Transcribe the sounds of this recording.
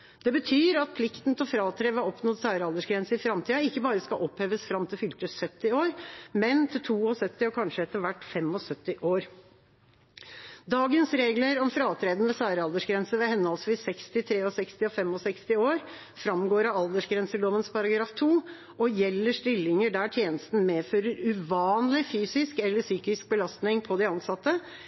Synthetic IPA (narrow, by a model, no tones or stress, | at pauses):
d̪̥ɛbət̪ʰyːɾɑt̪̚pʰlɪkt̪n̩t̪ʰɪlɔfɾɑːt̪ʰɾeːʋəɑɔpnoːd̪sæːɾəɑld̪əʂɡɾɛnsəɪfɾɑmt̪ʰiːɑɪkːəbɑːɾəskɑʔɔpheːʋəsfɾɑmt̪ʰɪlfʏlt̪əsœt̪ːɪoːɾmɛnt̪ʰɪlt̪ʰuːɔsœt̪ːɪɔkʰɑnʂəɛt̪ːəɾʋæʈːfɛmɔsœt̪ːɪʔoːɾ | d̪ɑːɡənsɾeːɡləɾɔmfɾɑːt̪ʰɾeːd̪n̩ʋɛsæːɾəɑld̪əʂɡɾɛnsəʋɛhɛnːəɑlsʋiːsɛkst̪ɪt̪ʰɾeːɔsɛkst̪ɪɔfɛmɔsɛkst̪ɪoːɾ | fɾɑmɡoːɾɑɑld̪əʂɡɾɛnsəloːʋənspʰɑɾɑɡɾɑːft̪ʰuː | ɔjɛlːəʂtɪlːɪŋəɖæʈʰjeːnəst̪n̩meːføːɾəɾʉʋɑːnlɪfyːsɪskɛlːəsyːkɪsk̚bəlɑst̪nɪŋpʰɔd̪ɛɑnsɑt̪ːə